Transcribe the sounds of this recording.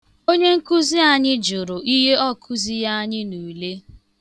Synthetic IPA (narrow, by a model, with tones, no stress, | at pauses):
o˦ɲe˦ŋ̩˦ku˦zi˦a˦ɲɪ˦d͡ʒʊ˨ɾʊ˨ʔi˦ɦe˦ɔ˦kʰʊ˦zi˦ja˦ɲɪ˦nu˨le˦